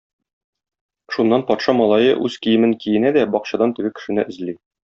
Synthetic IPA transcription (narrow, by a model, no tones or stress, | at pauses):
ʃunːɑnpɒt̪ʃɑmɒlˠɑjɤ̰ʔʉz̥kijɘ̆mɘŋkijɘ̆næd̪æbɒqɕɑd̪ɑnt̪ɘ̆ɡɘkɘ̥̆ʃɘ̆nɘʔɘ̆zli